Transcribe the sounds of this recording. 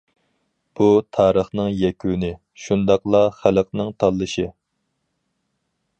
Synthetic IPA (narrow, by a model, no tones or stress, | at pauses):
b̥ut̪ʰɑːɾəχnɨŋjɛkʲʰynɪ | ʃund̪ɑqlˠɑχæləq̚nɨŋt̪ʰɑlˠːɨʃɨ